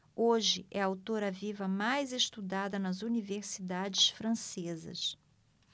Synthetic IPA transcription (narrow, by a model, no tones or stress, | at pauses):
oʒɪʔɛawt̪oɾɐvivɐmajzeʃt̪ud̪ad̪ɐnɐzuniveɾsid̪ad͡ʒɪʃfɾɐ̃sezɐ̰s